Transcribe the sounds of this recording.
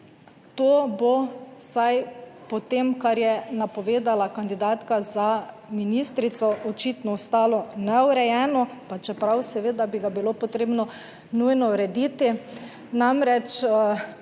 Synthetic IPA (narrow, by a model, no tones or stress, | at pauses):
t̪oːbosajpɔt̪emkaɾjɛnapɔʋeːd̪alakand̪id̪aːt̪kaza | minist̪ɾit̪sɔʔɔt͡ʃit̪nɔɔst̪aːlɔnɛuɾɛjɛːnɔpat͡ʃɛpɾawsɛʋeːd̪abiɡabilopɔt̪ɾeːbnɔ | nujnɔɾɛd̪iːt̪i | namɾɛt͡ʃ